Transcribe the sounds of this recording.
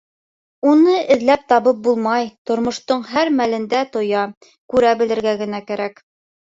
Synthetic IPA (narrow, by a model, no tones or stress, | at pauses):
unɤʔɘ̆ðlæp̚t̪ɑβɤp̚bulˠmɑjt̪ŏɾmŏʃt̪oɴɦæɾmælɘ̆nd̪æt̪ŏjɑ | kʉɾæbɘ̆lɘ̆ɾɡæɡɘ̆nækæɾæk